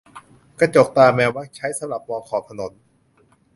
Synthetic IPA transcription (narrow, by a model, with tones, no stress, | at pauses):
ka˧˩t͡ɕo˨˩k̚t̪aː˧mɛː˧waː˦˥t͡ɕʰa˦˥jsa˨˦mɾa˨˩p̚ːɔː˧kʰɔː˨˩p̚t̪ʰno˩˦n